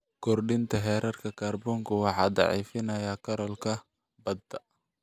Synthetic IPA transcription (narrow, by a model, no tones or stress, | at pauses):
kʰɔrɖɪnt̪ʰɐɦɛːɾɐrkʰɐkʰaːrbɔːŋkʰʊwɑħɑ̰ːd̪ɑ̰ʕḭːfɪnɐjaːkʰɐɾɔlkʰɐ | bɐd̪ɐ